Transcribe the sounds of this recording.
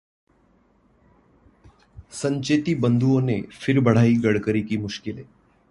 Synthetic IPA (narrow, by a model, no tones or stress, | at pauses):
sə̃ɲt͡ʃeːt̪ibə̃nd̪ʱuõnefʰɪɾbəɽ̤aːiɡəɽ̤kəɾikimʊʃkɪleː